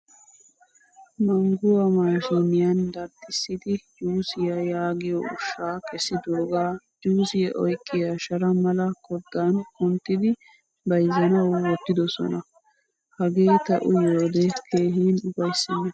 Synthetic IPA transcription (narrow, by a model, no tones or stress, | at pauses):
mɐŋɡʊwɐmaːʃinɪjɐnd̪ɐɾd̪ɪsːɪd̪ɪjuːsɪjɐjaːɡɪjɔ̰ʊʃːaːkʼɛsːɪd̪oːɡaː | juːsɪjɛʔɔ̰jkʼːɪjɐʃɐɾɐmɐlɐkɔd̪ːankʊnt̪ːɪd̪ɪ | bɐjzɐnɐwwɔt̪ːɪd̪ɔsɔ̰nɐ | hɐɡe̞ːt̪ɐ̰ʔʊjoːd̪ɛkʰeːɦiːnʊbɐjsːɪnːɐ